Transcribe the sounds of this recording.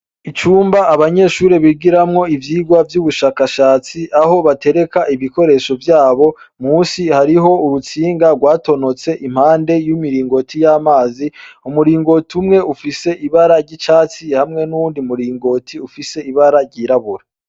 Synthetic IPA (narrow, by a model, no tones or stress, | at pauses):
it͡ʃuːmbaʔːβaɲe̞ʃuːɾeβiɡiɾamŋo̞ivjiːɡwavjuːβuʃaːkaʃaːt͡siʔaɦo̞βate̞ɾe̞kaʔiβiko̞ɾe̞ʃo̞vjaːβo̞ | muːnsihaɾiɦo̞uɾut͡siːŋɡaɡwaːto̞no̞t͡se̞ʔim̥haːnde̞jumiɾiːŋɡo̞tʰijamaːziumuɾiːŋɡo̞tumŋe̞ufise̞iβaɾaɾɟit͡ʃaːt͡sihamŋe̞nuuːndimuɾiːŋɡo̞tʰiufise̞iβaɾaɾɟiɾaβuɾa